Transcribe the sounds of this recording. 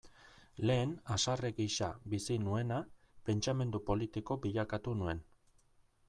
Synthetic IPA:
le̞ːnasareɣiʃabisinue̞na | pe̞nt͡ʃame̞nd̪upo̞lit̪iko̞biʎakat̪unue̞n

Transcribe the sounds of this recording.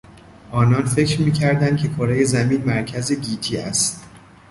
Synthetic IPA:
ʔɒːnɒːnfe̞cɾmiːcʰæɾd̪ænd̪̚cʰe̞kʰoɾejezæmiːnmæɾcʰæzeɟiːt̪ʰiːæ̰st̪

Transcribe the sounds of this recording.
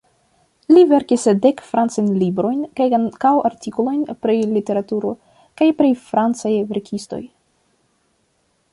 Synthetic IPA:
live̞ɾkisde̞kfɾant͡sajnlibɾo̞jnkajkawaɾtikolo̞jnpɾilite̞ɾatuɾo | kajpɾifɾant͡sajve̞ɾkʰisto̞̰j

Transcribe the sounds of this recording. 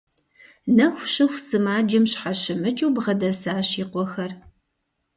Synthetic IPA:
nɐxʷɕɨxʷsɨmaːd͡ʒɪmɕħaɕɪmɨt͡ʃʼuwbʁɐdɐsaːɕiːqʷɔxɐr

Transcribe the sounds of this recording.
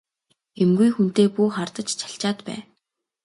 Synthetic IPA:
emɡujxun̥t̪eːpuːχart̪ə̆t͡ɕt͡ɕʰḁɬt͡ɕaːt̪pæ̰ː

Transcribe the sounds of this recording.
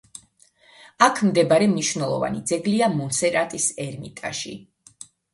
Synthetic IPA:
akʰmd̪ɛbaɾɛmniʃvnɛlˠɔ̰va̰nid̪zɛɡliamɔnsɛɾat̪ʼisɛɾmit̪ʼa̰ʃḭ

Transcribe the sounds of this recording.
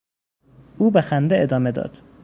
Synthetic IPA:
uːbexænd̪eed̪ɒːmed̪ɒ̰ːd̪̥

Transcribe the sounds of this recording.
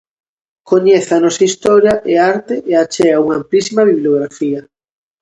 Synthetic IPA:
koɲeθanɔsɐist̪ɔɾjɐʔeaɾt̪eʔeat͡ʃɛɣɐuŋɐamplisimɐβiβloɣɾafiɐ

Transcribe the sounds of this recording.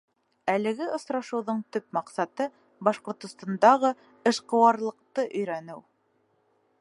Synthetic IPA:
ælɘ̆ɡɘʔŏsɾɑʃɤ̆wðɤɴt̪ɵp̚mɑqsɑt̪ɤ | bɑʃqŏɾt̪ŏst̪ɑnd̪ɑʁɤ | ɘ̆ʃqɤ̆wɑɾlˠɤ̆q̚t̪ɤʔɵ̆jɾænɘw

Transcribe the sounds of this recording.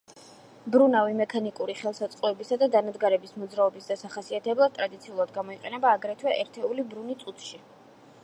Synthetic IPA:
bɾunavimɛkʰanikʼuɾiχɛlˠsat̪sʼqʼɔɛbisad̪ad̪anad̪ɡaɾɛbismɔd̪zɾaɔbisd̪asaχasiat̪ʰɛblˠad̪̚t̪ʼɾad̪it̪sʰiulˠad̪ɡamɔiqʼɛnɛbaːɡɾɛt̪ʰwɛʔɛɾt̪ʰɛulibɾunit̪sʼut̪ʰʃi

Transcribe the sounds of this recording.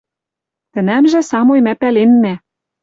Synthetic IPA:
t̪ɘ̆næmʒɘ̆sɑmojmæpælenmæ

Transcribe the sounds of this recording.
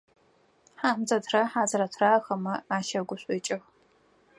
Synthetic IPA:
ħaːmzɐtʰrɐħaːzɨɾɐtʰraːxɐmɐaːʃɐɡʷʊɕʷʼɪːt͡ʃʼɪx

